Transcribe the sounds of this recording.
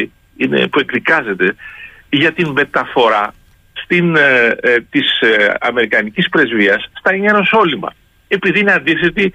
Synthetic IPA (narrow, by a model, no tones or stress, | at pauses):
i | ine̞̰pue̞kðikɐze̞t̪e̞ | ʝɐt̪imbe̞t̪ɐfo̞ɾɐ | st̪in | t̪isɐ̰me̞ɾikɐnicispɾe̞zviɐsːt̪ɐɲɐeno̞so̞limɐ̰ | e̞piðiineɐnd̪iθe̞t̪i